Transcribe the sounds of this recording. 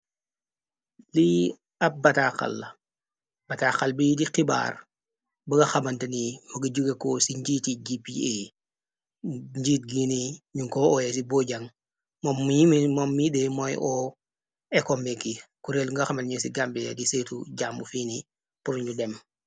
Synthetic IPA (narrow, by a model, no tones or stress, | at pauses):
li | ɐp̚bɐtaxɐ̰lɐ | b̥ɐtaxɐlbidiqiba̰ːɾ | bɐɡɐxɐmɐntɐnimɐɡɐɟuɡekɔsiɲɟiːtiɟipie | ɲɟiːt̚ɡiniɲuŋkɔɔjɛs̬ibɔɟɐŋ | mɔmːujimimɔmːjidɛmɔjʔɔ | ɛkɔmbɛkikuɾelŋɡɐxɐmɐlɲusiɡambɛja̰disetuɟaːmbufiːni | puɾuɲudɛm